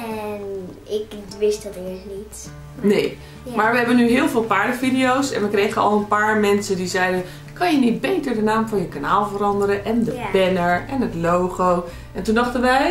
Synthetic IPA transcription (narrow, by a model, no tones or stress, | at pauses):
ɛn | ɪkʋɪstdətɪsnit | neː | maːɹʋəɦɛbənyɦɪːlˠvɪːlˠpaɹdəfidiowsɛ̰nʋəkrejɣənɑlˠənpaːɹmɛnsədizɛjdə | kɑnjənit̚bejtəɹdənaːmfɑnjəkanaːlˠvərɑndəɾəʔɛndəbɛnəɹɛnətlowɣow | ʔɛntundɑχtənʋɛj